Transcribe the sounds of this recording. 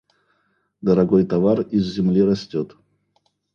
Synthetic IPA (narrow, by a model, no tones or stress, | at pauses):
d̪əɾɐɡojt̪ɐvarizːʲɪmlʲiɾɐsʲtʲot̪